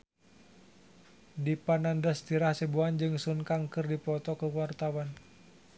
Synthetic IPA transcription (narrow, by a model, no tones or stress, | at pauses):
dipanandast̪iɾahsəbuand͡ʒɨŋsunkaŋkɨrdipɔt̪ɔkəwart̪awan